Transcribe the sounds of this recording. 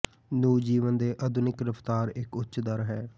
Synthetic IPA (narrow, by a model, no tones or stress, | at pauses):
nuːd͡ʒiːʋənd̪eːʔəd̪ʱʊnɪkɾəpʰt̪aːɾɪkʊtːt͡ʃd̪aɾəɦɛː